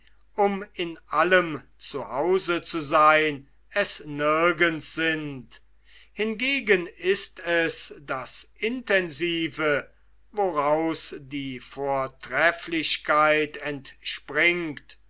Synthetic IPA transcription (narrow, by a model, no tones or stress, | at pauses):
ʔʊmɪnʔaləmt͡suhaʊzət͡suzaɪn | ɛsnɪɐɡənsz̥ɪnt | hɪnɡeːɡənɪstɛsd̥asʔɪntɛnziːvə | voʁaʊsdiːfoːɐtʁ̥ɛflɪɕkʰaɪtɛntʃpʁɪŋkt